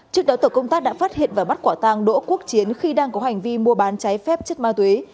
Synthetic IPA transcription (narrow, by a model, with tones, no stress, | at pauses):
t͡ɕɨ˦˥ək̚ɗɔ˨˦t̪əː˧˩kə˧wŋ͡mt̪aː˦˥k̚ɗa̰ː˧˥faː˦˥t̚hḭ˧˨nvaː˨˩ɓa˦˥t̚kwaː˧˩t̪aː˧ŋɗo̰˧˥ku˦˥ək̚t͡ɕi˨˦ənxi˧ɗaː˧ŋkɔ˨˦ɦa˨˩ŋ̟vi˧mu˧əɓaː˨˦nt͡ɕa˨˦jfɛ˦˥p̚t͡ɕə˦˥t̚maː˧t̪we˨˦